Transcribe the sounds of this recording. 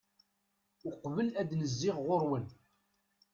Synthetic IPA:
ʊqːvəlæd̪nəzːɪʁːʊɾwən

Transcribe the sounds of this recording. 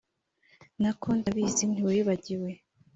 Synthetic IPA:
nakondaβiːzin̥hiwajiβaɟiwe̞

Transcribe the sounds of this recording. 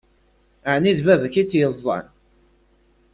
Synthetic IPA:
əʕniðvæðçit͡sːjəzˤːɑ̰n

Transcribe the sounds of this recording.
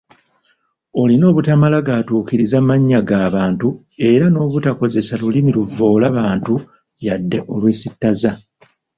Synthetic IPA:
o̞lino̞ːβutamalaɡaːtuːkiɾizamaɲːaɡaːβaːntu | e̞ɾano̞ːβutako̞ze̞salulimiluvːo̞ːlaβaːntu | jadːe̞ʔo̞lweːsitːaza

